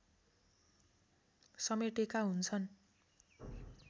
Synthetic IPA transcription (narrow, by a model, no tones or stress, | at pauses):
sʌmeʈekaɦunt͡sʰʌn